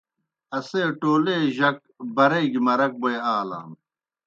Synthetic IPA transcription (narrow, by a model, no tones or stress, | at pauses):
ɐseːʈoːleːʑɐk̚bɐɾeɡimɐɾɐk̚boeaːla̰ːm